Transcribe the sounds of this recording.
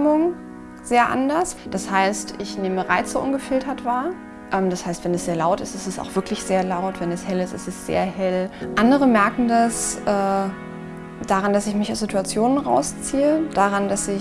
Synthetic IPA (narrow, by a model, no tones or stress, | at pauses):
mʊŋ | z̥eːɐʔa̰ndɐsd̥ashaɪstɪçneːməʁaɪt͡sz̥oːʔʊnɡəfɪltʰɐtv̥aːɐ | ʔɛːmdashaɪstv̥ɛnɛsz̥eːɐlaʊtɪstɪstɛsa̰ʊxv̥ɪɐklɪçz̥eːɐlaʊtv̥ɛnɛshɛlɪstɪ̰stɛsz̥ḛːɐhɛlʔandəʁəmɛɐkŋ̩dasʔɛː | d̥aʁandasɪçmɪçaʊsz̥ɪtuat͡sjoːnənʁa̰ʊst͡siːəd̥aʁandasɪ